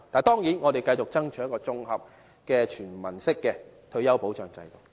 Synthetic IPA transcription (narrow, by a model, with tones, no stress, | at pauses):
t̪aː˨nt̪ɔː˥ŋjiː˨˥nŋɔ˨˧e˨˩jkɐ˧jt͡ʃʊ˨k̚t͡sɐ˥ŋt͡ʃʰːkɔː˧t͡sʊ˧ŋhɐ˨p̚ | kɛː˧t͡ʃʰyː˨˩nmɐ˨˩nsɪ˥kːɛː˧ | t̪ʰɵ˧ɥjɐ˥wpo˨˥wt͡ʃœː˨˧ŋt͡sɐ̰˧jt̪ʊ˨˩k̚